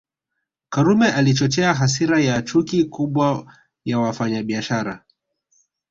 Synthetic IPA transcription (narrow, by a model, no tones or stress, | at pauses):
kaɾumɛʔalit͡ʃɔt͡ʃɛaɦas̬iɾajat͡ʃukikuɓwa | jawafaɲaɓiaʃaɾa